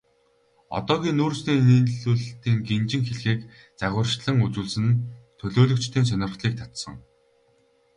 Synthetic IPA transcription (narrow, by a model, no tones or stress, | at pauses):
ɔ̰t̪ɔːɣʲiːnːoːrsniːniːnɮuːɮt̪iːŋɡent͡ɕɪ̆ŋxeɮxeːk | t͡sæɣʲwə̆rʃɮə̆ŋut͡suːɮsɘ̆nt̪ʰɵɮoːɮɵ̆kt͡ɕt̪ʰeːns̬œnʲɪ̆rχɮiːk̚t̪ʰḁt̪sə̆ŋ